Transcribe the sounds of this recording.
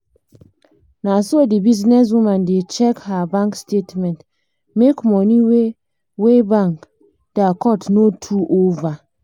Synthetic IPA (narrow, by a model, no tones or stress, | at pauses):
nasodibiznɛs̬wĩmãndet͡ʃɛkhabãŋkstetmɛ̃nt | mekmɔniwe | webãŋk | dakɔtnotʰuʔova